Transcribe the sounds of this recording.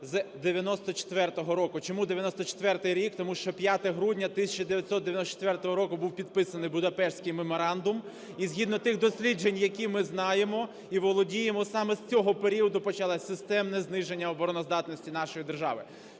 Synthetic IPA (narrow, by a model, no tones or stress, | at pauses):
zd̪eʋʲjɐnɔst̪ɔt͡ʃe̥t̪ʋɛrt̪ɔɦɔɾɔkʊt͡ʃɔmud̪eʋjɐnɔst̪ɔt͡ʃe̥t̪ʋɛrt̪ɪjɾʲikt̪ɔmuʃt͡ʃɔpjat̪ɛɦɾudʲnʲɐt̪ɪsʲɐt͡ʃɐd̪eʋʲjɐt̪ʲsɔt̪d̪ejɐnɔt͡ʃe̥t̪ʋɛrt̪ɔɦɔɾɔkʊbuwpʲid̪̚pɪsɐnɪjbʊd̪ɐpɛʃsʲkɪjmemɔɾɑnd̪ʊm | izʲɦʲid̪nɔt̪ɪxd̪ɔsʲlʲid͡ʒe̞nʲjɐkʲimɪznɑjemɔ | iʋɔlˠɔdʲijemɔsɑmɛst͡sʲɔɦɔpeɾʲiɔd̪ʊpɔt͡ʃɐlˠɑsʲɪst̪ɛmnɛznɪʒenʲːɐɔbɔɾɔnɔzd̪ɑt̪nɔsʲtʲin̪ɑʃɔjid̪erʒɑ̰ʋɪ